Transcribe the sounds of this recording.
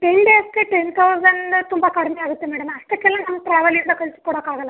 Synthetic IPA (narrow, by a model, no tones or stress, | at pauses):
ʈenɖeːskeʈent̪ʰɐwsɐɳɖt̪umbɐkɐɾmɐjaːɡut̪ːemɛːɽɐmɐst̪ɐkːelːaːnɐmːɐʈɾaːʋɐljɐnd̪ɐkɐlsu̥kuːɽɐkaːɣɐlã